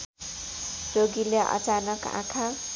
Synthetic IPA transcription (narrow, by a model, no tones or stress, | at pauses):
roɡileʔʌ̰t͡sanʌkã̰kʰa